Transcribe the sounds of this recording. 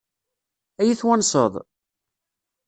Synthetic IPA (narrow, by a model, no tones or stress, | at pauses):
æjiθwænsˤə̰ðˤ